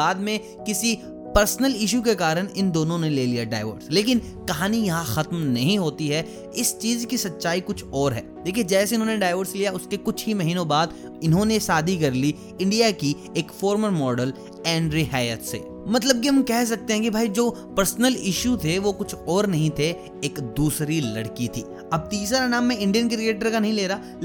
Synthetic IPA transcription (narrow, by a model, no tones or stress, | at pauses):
aːd̪mẽ | kɪsi | pɐɾsnəlɪʃ̬ukekaːɾəñɪnd̪oːnõneleːlijaɖa̰ːɪʋə̰ɾsleːkɪn | kɐɦaːnijɐɦãxɐt̪mnɐɦĩɦoːt̪iɦɛ | ɪst͡ʃiːzkisɐtːʃaːikʊt͡ʃʰɔːɾɦɛ̰ːd̪eːkʰied͡ʒɛːseʊnɦõːneɖaːɪʋəɾslijaʊskekʊt͡ʃʰɦimɐɦiːnõbaːd̪ | ɪnɦõnesaːd̪ʱikɐɾli | ɪ̃ɳɖijaki | eːkfɔːɾməɾmɔːɖəl | ɛ̃ːɳɖɾɪɦaːjət̪sḛː | mɐt̪ləb̚kiɦɐmkɛɦs̬ɐk̚t̪ẽɦɛ̃kibʱaːid͡ʒoː | pɐɾsnəlɪʃjut̪ʰeʋokʊt͡ʃʰɔːɾnɐɦĩt̪ʰe | eːkd̪uːsɾilɐɽkit̪ʰḭː | ɐb̚t̪iːsɾanaːmːẽɪ̃ɳɖijənkɾieːʈəɾkanɐɦĩleːɾaː